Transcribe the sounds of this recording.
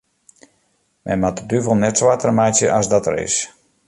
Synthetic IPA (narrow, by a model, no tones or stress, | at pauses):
mʔɛ̰jnmatədyvəlˠnɛtswatərmajsjəʔasdɔtəɾɪ̰s